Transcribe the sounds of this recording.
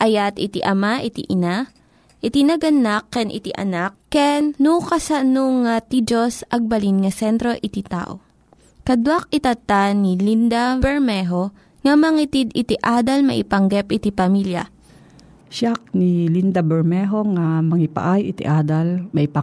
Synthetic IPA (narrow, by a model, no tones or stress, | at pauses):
ʔɐjat̪ɪt̪iʔɐmaʔɪt̪ḭʔɪna | ʔɪt̪inɐɡɐnakːɛnʔɪ̰t̪iʔɐ̰nak̚ːɛnnukɐsanoŋat̪id͡ʒosɐɡ̚bɐlinŋɐsɛnt̪ɾo̞ʔɪt̪it̪a̰ʔo̰ | kɐd̪wak̚ɪt̪ɐt̪anilind̪abɛɹmɛɦo̞ | ŋɐmɐŋit̪id̪ɪt̪iʔaːd̪ɐlmɐ̰ʔɪ̰pɐŋɡɛpʔɪt̪ipɐmiljɐ̰ | ʃak̚nilind̪abɛɹmɛɦoŋamɐŋɪpa̰ʔajɪt̪ḭʔaːd̪almɐʔɪpa